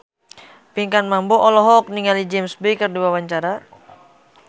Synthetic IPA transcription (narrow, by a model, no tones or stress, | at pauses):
piŋkanmamboʔɔlɔɦɔk̚niŋalid͡ʒɛmsbekərduwawaɲt͡ʃaɾa